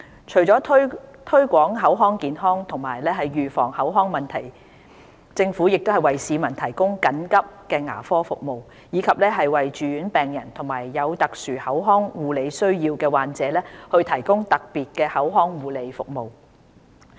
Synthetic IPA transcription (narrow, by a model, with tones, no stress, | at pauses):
t͡ʃʰɵ˨˩ɥt͡sɔː˨˥t̪ʰt̪ʰɵ˥ɥkʷɔː˨˥ŋɦɐ˨˥wɦɔː˥ŋkiː˨nɦɔː˥ŋt̪ʰʊ˨˩ŋmaː˨˩jlɛː˥ɦɐ˨jɥyː˨˩fɔ̰ː˨˩ŋhɐ˨˥wɦɔː˥ŋmɐ˨nt̪ʰɐ˨˩j | t͡sɪ˧ŋfuː˨˥jɪ˨k̚t̪o˥hɐ˨jwɐ˨jsiː˨˧mɐ˨˩nt̪ʰɐ˨˩jkʊ˥ŋkɐ˨˥nkɐ˥p̚kɛː˧ŋa̰ː˨˩fɔː˥fʊ˨k̚mo˨w | jiː˨˧kʰɐ˨p̚lɛː˥ɦɐ˨jwɐ˨jt͡ʃyː˨˧jyː˨˥npɛː˨ŋjɐ˨˩nt̪ʰʊ˨˩ŋmaː˨˩jːɐ˨˧wt̪ɐ˨k̚syː˨˩hɐ˨˥wɦɔː˥ŋwuː˨˧le˨˧jsɵ˥ɥjiː˧wkɛː˧waː˨nt͡sɛː˨˥lɛː˥hɵ˧ɥt̪ʰɐ˨˩jkʊ˥ŋt̪ɐ˨k̚piː˨t̚kɛː˧hɐ˨˥wɦɔː˥ŋwuː˨˧le˨˧jfʊ̰˨k̚mo˨w